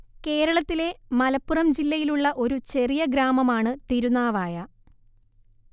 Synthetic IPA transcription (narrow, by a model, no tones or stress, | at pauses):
ke̞ːɾɐɭɐt̪ːile̞mɐlɐpːurɐmd͡ʑilːɐjiluɭːɐʔo̞ɾut͡ɕe̞rijɐɡɾaːmɐmaːɳɨt̪iɾunaːʋaːjɐ